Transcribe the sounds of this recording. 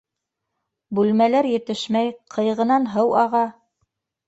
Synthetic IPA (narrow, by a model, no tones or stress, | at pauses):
bʉlmælæɾjɘ̆t̪ɘʃmæjqʰɤ̆jʁɤ̆nɑnɦɤwɑʁɑ